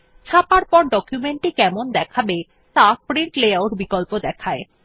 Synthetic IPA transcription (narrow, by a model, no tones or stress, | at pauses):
t͡ɕʰapaɾpɔɾɖɔkjumeɳʈikɛmond̪ɛkʰabe | t̪apɾiɳʈleaoɾbikolpod̪ɛkʰae